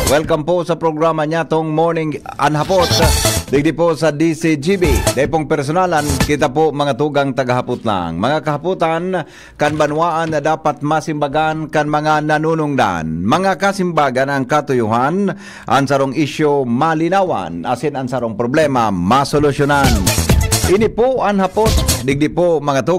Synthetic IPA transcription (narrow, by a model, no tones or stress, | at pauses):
wɛlkamposɐpɾoɡɾamaɲat̪oŋmoɹnɪŋa̰nɦapot̪d̪ɪɡ̚d̪ɪposɐd̪isid͡ʒibid̪aipoŋpɛɾs̬onalankɪt̪apomɐŋat̪uɡaŋt̪ɐɡaɦapʊt̪la̰ŋmɐŋakɐɦaput̪an | kaŋbanwaʔanŋad̪aːpat̪̚masɪmbaɡankaŋmɐŋananunʊŋd̪a̰nmɐŋakasɪmbaːɡanaŋkat̪ʊjʊɦan | ʔa̰ŋsaɾoŋʔɪʃomalɪnawa̰nʔa̰sɪnaŋsaɾoŋpɾoblɛmamasolʊsjonanʔɪnipʊʔaŋhapʊt̪̚d̪ɪɡ̚dɪpomɐŋat̪u